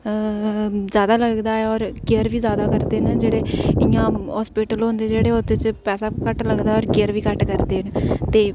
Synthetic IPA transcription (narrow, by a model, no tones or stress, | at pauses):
zjaːd̪aːləɡd̪aːɛːɔːɾkeəɾʋiːzjaːd̪aːkəɾd̪eːnd͡ʒeːɽeːɪjãːɦɔːspɪːʈəlɦõːnd̪eːd͡ʒeːɽeːoːt̪eːt͡ʃpɛːsaːkəʈləɡd̪aːɔːɾkeəɾʋiːkəʈkəɾd̪eːnt̪eː